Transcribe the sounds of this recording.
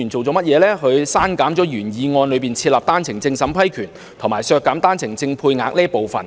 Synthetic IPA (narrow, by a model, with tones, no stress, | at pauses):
y˨˩nt͡so˨wt͡sɔː˨˥mɐ˥t̚jɛː˨˧lɛː˥hɵ˨˧ɥsaː˥nkaː˨˥mt͡sɔː˨˥jyː˨˩njiː˨˧ŋɔː˧nlɵ˨˧piː˨nt͡sʰiː˧t̚laː˨p̚t̪aː˥nt͡sʰɪ˨˩ŋt͡sɪ˧ŋsɐ˨˥mpʰɐ˥jkʰyː˨˩n | t̪ʰʊ˨˩ŋmaː˨˩jsœː˧kːaː˨˥mt̪aː˥nt͡sʰɪ˨˩ŋt͡sɪ˧ŋpʰuː˧jŋaː˨˧k̚nɛː˥po˨wfɐ̰˨˩n